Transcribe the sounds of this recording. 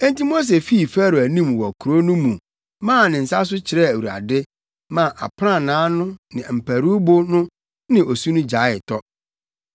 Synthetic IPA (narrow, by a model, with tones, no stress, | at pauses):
ɛ̃˦n˦ti˦mo˦s̬e˨fi˦˨fæ˦ɾo˨æ˨nĩ˦˨m˨wɔ˨kʰu˨ɾo˦nʊ̃˦mũ˨ | mã˦˨nɪ̃˨n̩˨sa˦s̬ʊ˦t͡ɕʰɪ˨ɾɛ˦˨æ˨wu˨ɾa̰˨dɪ˦ | mã˨ʔa̰˨pʰɾã˦˨nãː˨˦nʊ̃˦nɪ̃˨m̩˨pʰæ˨ɾu˦bo˦nʊ̃˦ | nɪ̃˨ʔo˨su˦nʊ̃˦d͡ʑa˨˦ɪ˨tʰɔ˦